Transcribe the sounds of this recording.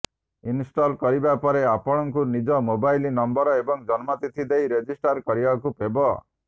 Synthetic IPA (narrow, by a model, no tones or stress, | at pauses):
insʈɔlkɔɾibapɔɾeapɔɽ̃ɔŋkunid͡ʒɔmobajlinɔmbɔɾɔebɔŋd͡ʒɔnmat̪it̪ʰid̪ejɾed͡ʒisʈaɾkɔɾibakupebɔ